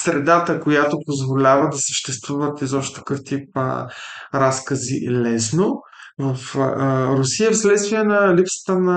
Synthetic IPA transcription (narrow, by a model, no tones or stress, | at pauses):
sɾɛd̪at̪əkojat̪opozvolʲavəd̪ɐsə̥ʃt̪ɛst̪vuvət̪izɔʃt̪ɛ̥kəft̪ipə̰ɾaskəzḭlɛsno | vəfɾʊsiəfslɛt̪st̪viɛnɐlipsə̥t̪ənɐ